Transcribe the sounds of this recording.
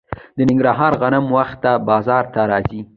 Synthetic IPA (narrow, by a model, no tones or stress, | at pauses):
d̪ənɪŋɡɾɑɦɑɾɣanamwaxt̪ːabɑzɑɾt̪aɾɑzi